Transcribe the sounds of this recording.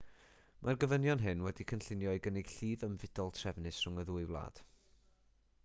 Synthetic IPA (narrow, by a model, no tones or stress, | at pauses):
mʔarɡəvənjɔnɦɨnwɛdikʰənɬɪnjɔɨɡənɪɡ̥ɬiːðəmvɪd̥ɔlˠtʰr̥ɛvnɨsrʊŋəðuːɨwlˠa̰ːd̥